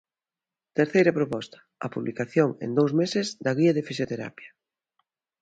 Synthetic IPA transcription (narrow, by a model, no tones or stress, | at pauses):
t̪eɾθejɾɐpɾopɔst̪ɐ̥ɐ̰puβlikaθjoŋḛnd̪owzmesɪzd̪ɐɣiɐðɪfisjot̪eɾa̰pjɐ̥